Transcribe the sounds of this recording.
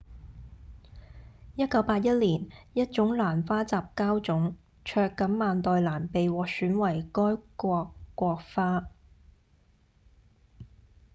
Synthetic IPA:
jɐ˥t̚kɐ˨˥wpaː˧t̚jɐ˥t̚liː˨˩njɐ˥t̚t͡ʃʊ˨˥ŋlaː˨˩nfaː˥t͡saː˨p̚kaː˥wt͡sʊ˨˥ŋ | t͡ʃʰœː˧kːɐ˨˥nmaː˨nt̪ɔː˨jlaː˨˩npe˨jwɔː˨k̚syː˨˥nwɐ˨˩jkɔː˥jkɔː˧kʷːɔː˧k̚faː˥

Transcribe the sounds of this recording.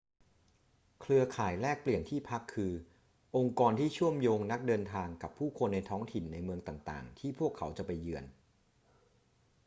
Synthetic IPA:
kʰlɯ˧ɐkʰaː˨˩jɾɛː˥˩k̚pli˨˩ənt̪ʰiː˥˩pʰa˦˥kʰːɯː˧ | ʔo˧ŋkɔː˧nt̪ʰiː˥˩t͡ɕʰu˥˩əmjoː˧ŋna˦˥k̚dɤː˧nt̪ʰaː˧ŋka˨˩pʰːuː˥˩kʰo˧nːa˧jt̪ʰɔː˦˥ŋt̪ʰi˨˩nːa˧jmɯ˧əŋt̪aː˨˩ŋt̪a̰ː˨˩ŋt̪ʰiː˥˩pʰu˥˩əkʰːa˩˦wt͡ɕa˨˩pa˧jːɯ˧ən

